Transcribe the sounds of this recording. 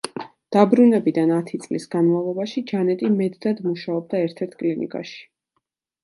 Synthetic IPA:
d̪̥abɾunɛbid̪anat̪ʰit̪sʼlisɡanmavlˠɔbaʃid͡ʒanɛt̪ʼimɛd̪ːad̪muʃaɔb̚d̪aɛɾt̪ʰɛɾt̪ʰkʼlinḭkʼa̰ʃi̥

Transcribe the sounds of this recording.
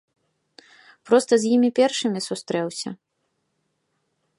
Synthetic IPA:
pɾɔst̪ɐzʲjimʲipʲɛrʂɨmʲisust̪ɾɛwsʲɐ̰

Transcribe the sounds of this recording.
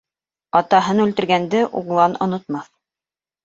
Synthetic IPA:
ɑt̪ɑɦɤnʉlt̪ɘ̆ɾɡænd̪ɘʔuɴlˠɑnŏ̰nŏt̪mɑθ

